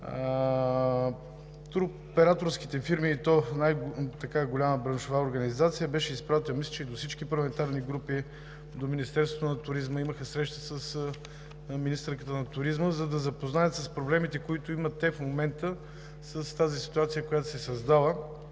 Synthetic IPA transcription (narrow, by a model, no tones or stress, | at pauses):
t̪ɾu | pɛɾat̪oɾsk̟it̪ɛfiɾmiːt̪ɔnajt̪ɐkaɛɡolʲaməbɾɐnʃovaoɾɡənizat̪sijəbɛʃɛispɾat̪ɛnmislɐ̥t͡ʃɛid̪ofsit͡ʃkipɐɾlˠɐmɛnt̪aɾniɡɾupi | d̪ominist̪ɛɾst̪vot̪ʊnɐt̪ʊɾizməiməxəsɾɛʃt̪ə̥səs | minist̪əɾkət̪ənɐt̪ʊɾizməzɐd̪ɐzɐpoznaət̪səspɾoblɛmit̪ɛkoit̪ʊimət̪ːɛfmomɛnt̪ə | səst̪azisi̥t̪uat̪sijəkojat̪o̥sɛsɐzd̪avə